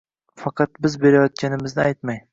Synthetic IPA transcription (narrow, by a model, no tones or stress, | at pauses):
fɑqʰɑt̪̚bɪzbe̞ɾajɒt̪̚kʲanɪmɪznɪajt̪maj